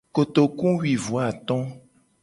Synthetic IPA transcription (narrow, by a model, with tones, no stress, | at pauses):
ko˨t̪o˨kũ˦wi˨vu˨a˨t̪ɔ̃˦